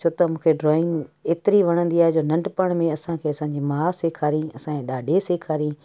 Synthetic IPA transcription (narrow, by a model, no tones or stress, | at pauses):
t͡ʃʰoːt̪ɐmũːkʰeɖɾɔːɪ̃ŋɡeːt̪ɪɾiʋɐɽ̃ə̃nd̪iaːɦɛd͡ʑoːnɐ̃ɳɖpəɽ̃mẽɐsãkʰeːɐsãːɲd͡ʑiːmaːseːkʰaːɾiĩɐsãkẽɗaːɖʱeseːkʰaːɾiĩ